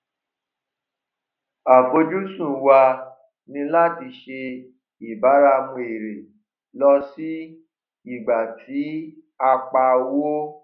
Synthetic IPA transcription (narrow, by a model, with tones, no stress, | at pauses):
a˨bo˧d͡ʒu˦sũ˦˨wa˧ | nĩ˧la˦ti˧ʃe˧ | i˨ba˨˦ɾa˧mũ˧e˨ɾe˨ | lɔ˧si˦ | i˦˨ɡ͡ba˨tʰi˨˦ | a˧k͡pa˧wo˦